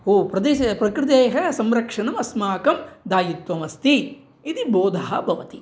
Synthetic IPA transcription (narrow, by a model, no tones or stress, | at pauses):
oːpɾɐd̪eʃpɾɐkɾɪt̪̬eːɦɐsɐmɾɐkʂɐnɐmɐsmaːkɐmd̪aːjit̪ʋɐmɐst̪iː | d̪iboːd̪ʱɐɦɐbʱɐʋɐt̪i